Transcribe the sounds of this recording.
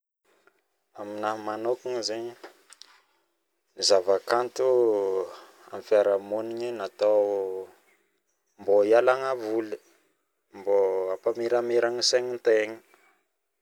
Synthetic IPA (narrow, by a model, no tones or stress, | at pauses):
aminamanokuŋzeɲi | izavakant̪u | amfjaɾamoniɲinat̪aw | mbojalaŋavuli̥ | mboapamiɾameɾaŋiseɲint̪eɲi̥